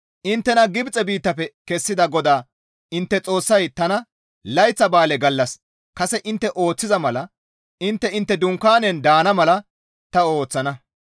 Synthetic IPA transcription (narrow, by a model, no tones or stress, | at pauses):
ʔɪnt̪ːɛnɐɡɪbt͡sʼɛbiːt̪ːɐpɛkɛsːɪd̪ɐɡɔd̪aː | ɪnt̪ːɛt͡sʼo̞ːsːɐjt̪ɐnɐ | lɐjt͡sːɐbaːlɛɡɐlːɐs | kɐsɛʔɪnt̪ːɛʔo̞ːt͡sːɪzɐmɐlɐ | ʔɪnt̪ːɛɪnt̪ːɛd̪ʊŋkːaːnɛnd̪aːnɐmɐlɐ | t̪ɐo̞ːt͡sːɐnɐ